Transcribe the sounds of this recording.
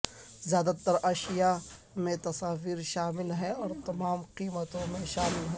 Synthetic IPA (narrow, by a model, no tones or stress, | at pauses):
zjaːd̪at̪ɐɾɐʃija | mẽt̪ɐsaːʋiːɾʃaːmɪlɦɛɔːɾt̪ɐmaːmqiːmət̪õmẽʃaːmɪlɦɛ